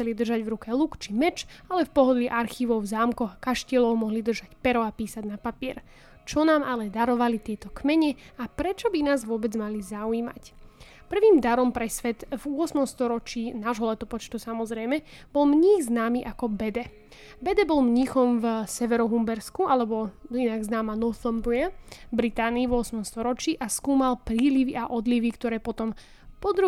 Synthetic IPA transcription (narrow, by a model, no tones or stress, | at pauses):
xt͡sɛlid̪r̩ʒaɟʋɾukɛlukt͡ʃimɛt͡ʃalɛfpɔɦɔd̪liʔaɾxiːʋɔʊzaːmkɔɣakaʃcɛlɔʊmɔɦlid̪r̩ʒacpɛɾɔapiːsaɟnapapiɛɾ | t͡ʃɔnaːmalɛd̪aɾɔʋalit̪ɪɛt̪ɔkmɛɲɛapɾɛt͡ʃɔbinaːzʋʊɔbɛd͡zmalizauiːma̰cpr̩ʋiːmd̪aɾɔmpɾɛsʋɛt̪vʊɔsmɔmst̪ɔɾɔt͡ʃiːnaːʒɦɔlɛt̪ɔpɔt͡ʃt̪usamɔzɾɛjmɛ | bɔlmɲiːɣznaːmiːʔakɔbɛd̪ɛ | bɛd̪ɛbɔlmɲiːxɔmvsɛʋɛɾɔɦumbɛɾskualɛbɔinaɡznaːmanɔθɔmbuabɾit̪aːniːvʊɔsmɔmst̪ɔɾɔt͡ʃiːʔaskuːmalpɾiːliʋiʔaʔɔd̪liʋikt̪ɔɾɛːpɔt̪ɔm | pɔd̪ɾu